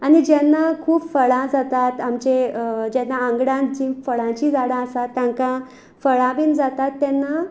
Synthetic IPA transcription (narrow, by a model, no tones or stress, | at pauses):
anid͡ʑɛnːakʰuːpfəɭãd͡zat̪at̪amt͡ɕed͡ʑɛnːaəŋɡɽãd͡ʑĩːfəɭãt͡ɕiːd͡zaɽãəsat̪ːjãŋkã | fəɭãbiːnd͡zat̪at̪ːɛnːa